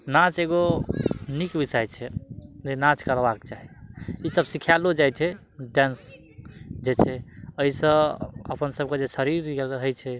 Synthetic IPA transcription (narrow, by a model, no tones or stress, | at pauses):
nat͡ʃeɡo | nikbisajt͡ʃʰɛd͡ʒenãt͡ʃkəɾbakt͡ʃaɦiisəbsikʰjalod͡ʒajt͡ʃʰɛ | ɖɛ̃ns | d͡ʒet͡ʃʰɛəisə̃ə̰pənsəb̚ked͡ʒesəɾiɾɡelɦəjt͡ʃʰɛ